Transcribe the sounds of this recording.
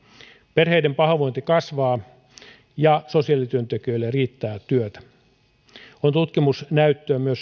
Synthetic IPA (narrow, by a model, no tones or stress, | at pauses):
perɦeidempɑɦɑʋoint̪ikɑsʋɑː | jɑsosiɑˑlit̪yønt̪ekiøilːerriːt̪ːæːt̪yøt̪æ̥ | ont̪ut̪kimusnæyt̪ːøæmyøs